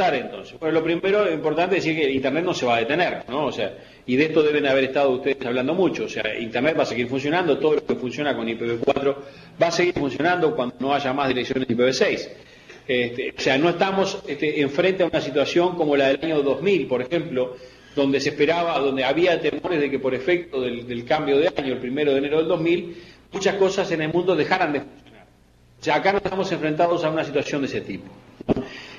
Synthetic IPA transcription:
aɾent̪o̞̰nse̥bwenolo̞pɾimeɾo̞impo̞ɾt̪aneðsiɾkeint̪ernet̪̚no̞se̞βaðet̪eneɾnoːsea̰ | iðeeht̪o̞ðe̞β̞e̞naβeɾest̪að̞ouht̪eðesaβland̪o̞mut͡ʃoːsea̰ḭnt̪ernet̪̚baseɣiɾfuns̬jo̞nãnd̪ot̪oð̞olokefunsjo̞nako̞nipeβekwat̪ɾo | βaːse̞ɣiɾfunsjo̞nãnd̪okwand̪o̞no̞aʒamazðiɾeksjo̞nesipeβesejs | et̪eoseano̞eht̪amo̞seht̪eːɱfɾe̞nt̪eaunasit̪̬wasjo̞ŋko̞mo̞laðelaɲo̞ðo̞zmilpo̞ɾexe̞mplo̞ | ðo̞nd̪e̞sehpeɾaβaðo̞nd̪eaβiat̪emo̞ɾezðekepo̞ɾefek̚t̪oðeld̪elkambjo̞ð̞eaɲoelpɾimeɾoðeneɾoð̞eld̪o̞ɦmilmut͡ʃasko̞sase̞nelmũnd̪o̞ðe̞xaɾand̪efunsjonaɾ | oseaːkanoset̪amo̞se̞ɱfɾe̞nt̪̬aðo̞saunas̬it̪wasjond̪eset̪ipo̥no

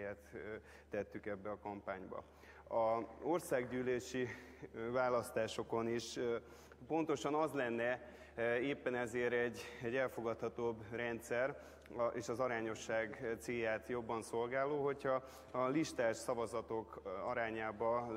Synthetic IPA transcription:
ɛt̪ː | ɛt̪ːykɛbːɛɒkɒmpaːɲbɒ̰ | ɒo̞rsaːɡɟyːleːʃi | vaːlɒst̪aːʃo̞ko̞niʃ | po̞nt̪o̞ʃɒnɒzlɛnːɛ | eːpːɛnɛzeːɾɛɟːɛɟːɛlfo̞ɡɒt̪hɒt̪oːbrɛnt̪sɛr | ʔeːʃɒzɒɾaːɲo̞ʃːaːɡt̪seːjaːt̪jo̞bːɒnso̞lɡaːloːɦo̞chɒː | liʃt̪aːʃsɒvɒzɒt̪o̞kɒɾaːɲaːbɒ

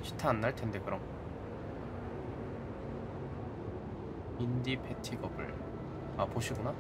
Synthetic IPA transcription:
ɕʰi̥tʰaːnːaɭtʰe̞nde̞kɯɾʌm | indipʰetʰiɡʌbɯ̰ɭ | apoɕʰiɡuna

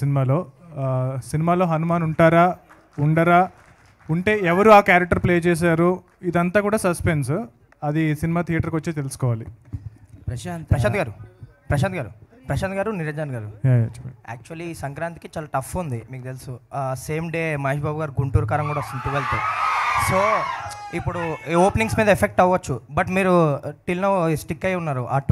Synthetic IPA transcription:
sinimaːlo̞ː | sinimaːlo̞ːɦɐnumaːnuɳʈaːɾaː | uɳɖɐɾaː | uɳʈe̞ːɛʋɐɾuaːkaːɾɐk̚ʈɐɾpleːt͡ʃɛːs̬aːɾu | id̪ɐnt̪aːkuːɽaːsɐspens | ɐd̪isinimaːt̪ʰijɐʈɐɾkʋɐt͡ʃːeːt̪e̞lusu̥kɔːʋaːli | pɐɾɐʃaːnt̪ɡaːɾupɾɐʃaːnt̪ɡaːɾupɾɐʃaːnt̪ɡaːɾuniɾɐd͡ʒaːnɡaːɾu | a̰ːk̚t͡ʃuɐlːisɐŋkɾaːnt̪i̥kit͡ʃaːlaːʈɐfːund̪imiːkut̪elususe̞ːmɖeːmɐeʃbaːbuɡaːɾuɡuɳʈuːpɾɐkaːɾɐŋkuːɽaɐost̪unt̪ːuʋelt̪uso̞ːipːuɽuoːpniŋsmiːd̪ɐepʰek̚ʈɐʋːɐt͡ʃːubɐʈmiːɾuʈilnɐʋsʈikːɐjunːaːɾuʔaː

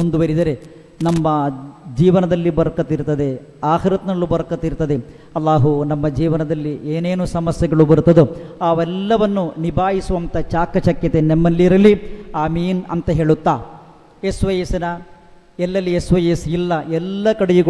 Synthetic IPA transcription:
und̪uʋɐɾid̪ɐɾe | nɐmːɐd͡ʒiːʋɐnɐd̪ɐlːibɐɾɐkːɐt̪iɾt̪ɐd̪e̞ | aːɦɐɾɐt̪nɐlːubɐɾɐkːɐt̪iɾt̪ːɐd̪e | ɐlːaːɦunɐmːɐd͡ʒiːʋɐnɐd̪ɐlːiʔeːneːnusɐmɐsjɛɐɡɐɭubɐɾut̪ːɐd̪uaːʋɛlːɐʋɐnːunibʱaːɦisuʋɐnt̪ɐt͡ʃaːkːɐt͡ʃɐkjɐt̪enemːɐlːiɾɐlːiaːmiːnɐ̰nt̪ɐɦe̞ːɭut̪ːaː | esʋɐjɐsinɐ | ɛlːɐlːiesʋɐjesilːɐɛlːɐkɐɽejuɡɐ

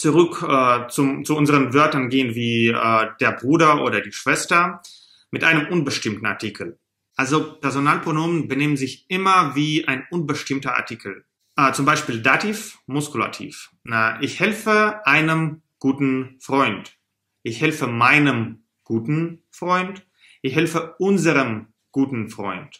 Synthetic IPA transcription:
t͡suʁʏkʔɛːt͡sʊt͡suʔʊnzəʁənvœɐtɐnɡeːənviːʔɛːdeːɐbʁuːdɐʔoːɾɐdiːʃv̥ɛstɐ | mɪtʔaɪnəmʔʊnbəʃtɪmtn̩a̰ɐtʰiːkʰl̩ | ʔalzopɛɐzonaːlpʁ̥onoːmənbəneːmənzɪçʔɪmɐviːʔaɪnʔʊnbəʃtɪmtɐʔa̰ɐtʰiːkʰl̩ | ʔt͡sʊmbaɪʃpiːldatʰiːfmʊskula̰tʰḭːfəʔɪçhɛlfəʔaɪnəm | ɡ̥uːtn̩fʁ̥ɔʏnt | ʔɪçhɛlfəmaɪnəm | ɡ̥uːtn̩fʁ̥ɔʏnt | ʔɪçhɛlfəʔʊnzəʁəm | ɡ̥uːtn̩fʁ̥ɔ̰ʏnt

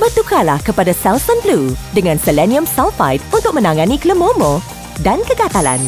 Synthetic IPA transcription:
bərt̪ukalahkəpadasɛlsənbludəŋãnsəlɛniə̃msawfajt̪̚unt̪ʊk̚mə̃nãŋãnikləmomo | dankəɡat̪ala̰n

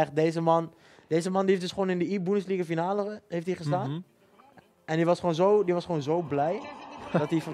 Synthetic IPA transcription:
ɛχt̚deːzəmɑn | d̥eːzəmɑndieftdøsχʋoːnɪndəibunəs̬liːɡəfinaːləheftiχəstaːnn | ɛndiʋɑsχʋoːnzowdiʋɔsχoːnzowblɛjdɔt̚dif

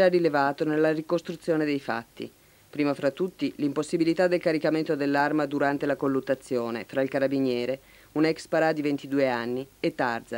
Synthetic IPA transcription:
arilevaːt̪onelːarikost̪ɾut̪sːjoːned̪ejfa̰t̪ːḭ | pɾiːmafɾat̪ːut̪ːilimposːibilit̪ad̪ːelkaɾikament̪od̪elːarmad̪uɾant̪elakolːut̪ːat̪sːjoːnefɾailkaɾabinjɛːɾe | unɛkspaɾad̪ivent̪id̪uːeanːiet̪ːa̰rd̪za

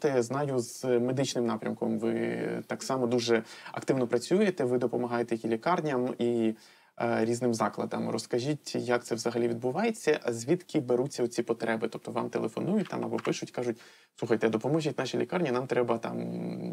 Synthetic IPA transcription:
t̪ɛznɑjʊzme̞d̪ɪt͡ʃnɪmnɑpɾʲɐmkɔmʋɪ̰t̪ɑksɑmɔd̪uʒɛɐ̰kt̪ɪʋwnɔpɾɐt͡sʲujet̪ɛʋɪd̪ɔpɔmɐɦɑjet̪ɛjɐjilʲikɑrnʲɐmi | ɾʲiznɪmzɑklˠɐ̰d̪ɐ̰mrɔskɐʒʲitʲjɐk̚t̪sɛʋzɐɦɐlʲiʋʲid̪̚bʊʋɑjet͡sʲːɐʔzʲʋʲit̪kɪbeɾut͡sʲːɐɔt͡sʲipɔt̪ɾɛbɪt̪ɔp̚t̪ɔʋɑ̰mt̪elˠefɔ̰nujʊt̚ʲt̪ɑ̰mɐbɔpɪʃʊtʲkɑʒʊt̚ʲ | suxɐjt̪ɛd̪ɔpɔmɔʒʲitʲnɑʃʲilʲikɑrnʲinɑmt̪ɾɛbɐt̪ɑ̰m

